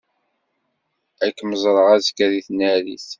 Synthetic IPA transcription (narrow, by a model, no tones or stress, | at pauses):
ækːməzˤɾˤəʁæzkːæðiθnæɾḭθ